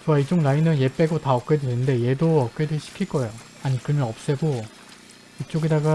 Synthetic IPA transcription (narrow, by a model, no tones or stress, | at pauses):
t͡ɕoaid͡ʑoŋlainɯnje̞p͈e̞ɡotaʌk͈edwenɯnde̞je̞doʌk͈̚ediɭɕʰi̥kʰiɭk͈ʌejo | aɲikɯɭmjʌʌp̚s͈eɡo | it͡ɕ͈oɡedaɡa